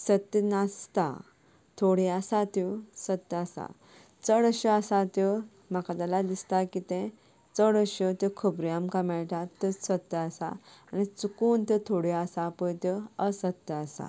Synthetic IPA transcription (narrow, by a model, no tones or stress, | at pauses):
sət̪ːənast̪a̰ | t̪ʰoɽiasat̪esət̪ːasa̰ | t͡səɽəɕəasat̪ə | makad̪alad̪ist̪akit̪ẽ | t͡səɽəɕət̪jekʰupɾiamkamɛɭʈ̪at̪ːəsət̪ːəasa̰anit͡sukuːnt̪ət̪ʰoɽiasapəjt̪eəsət̪ːəasa̰